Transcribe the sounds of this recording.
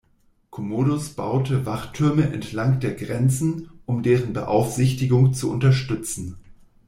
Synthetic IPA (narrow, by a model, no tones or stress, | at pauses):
kʰomoːdʊsb̥a̰ʊtəvaχtʰʏɐməʔɛntʰlaŋd̥eːɐɡʁɛnt͡sn̩ʔʊmdeːʁənbəʔa̰ʊfz̥ɪçtɪɡʊŋt͡suʔʊntɐʃtʏt͡sn̩